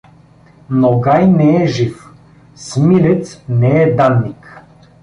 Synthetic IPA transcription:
noɡajnɛɛʒif | smilʲɛt̪snɛɛd̪anːik

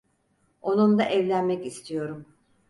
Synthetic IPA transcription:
o̞nund̪aʔɛvlʲænmɛcist̪ʰijo̞ɾum

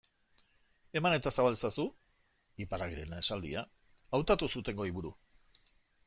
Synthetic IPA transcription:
e̞mane̞t̪asaβalsasu | iparaɣɾe̞̰nesald̪ḭa | awt̪at̪usut̪e̞ŋɡo̞iβuɾu

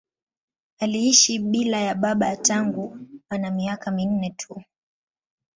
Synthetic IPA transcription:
aliiʃiɓilajaɓaɓataŋɡuanamiakamin̩nɛtʰu

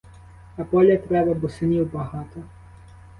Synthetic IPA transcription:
ɐpɔlʲjɐt̪ɾɛbɐbʊsɪnʲiwbɐɦɑt̪ɔ

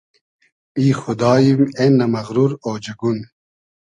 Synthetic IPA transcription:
iːxʊd̪ɑːjimenːɐmɐɣɾuɾoːd͡ʑɐɡun

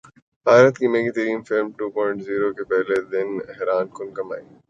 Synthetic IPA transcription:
baːɪɾət̪kimeːɡit̪ɐɾiːmfɪlmʈuːpɔ̃ːɪɳʈziːɾokepɛɦled̪ɪnɛɦɾaːnkʊnkɐma̰ːiː

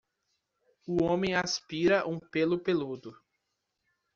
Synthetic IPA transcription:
ʊõmẽj̃aspiɾɐʔũpelʊpelud̪ʊ

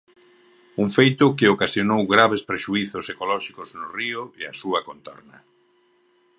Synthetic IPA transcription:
uŋfejt̪ʊkɪokasjonowɣɾaβ̞espɾeʃuiθʊsekolɔʃikoznʊriʊea̰suɐkont̪ɔ̰ɾnɐ

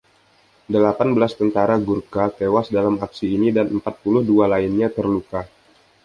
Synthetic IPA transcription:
dəlapanbəlast̪ənt̪aɾaɡurkat̪ewasdalamaksiːnidanəmpat̪̚pulʊhdualainɲat̪ərluka

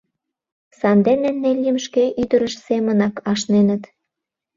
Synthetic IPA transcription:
sɑnd̪enennelʲimʃkeʔyd̪əɾə̆ʃsemə̆nɑkɑʃnenə̆t̪

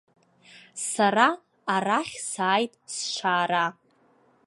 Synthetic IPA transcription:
saɾaː | raχʲsaːjtʼsʃʷʰaːɾa

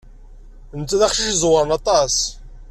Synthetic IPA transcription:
nt̪ːæðæχʃiʃzˤwəɾˤənɑt̪ˤɑs

